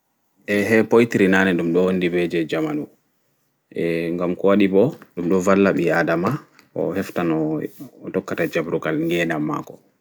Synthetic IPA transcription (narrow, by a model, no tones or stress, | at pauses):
ʔɛɦɛpojtiɾinanɛɗumɗɔwondibɛd͡ʒɛd͡ʒamanu | ʔɛŋɡamkɔwaɗibɔɗumɗɔvalːaɓiadama | ɔ̰hɛftanɔtɔkːatad͡ʒabɾukalŋɡɛnamːa̰kɔ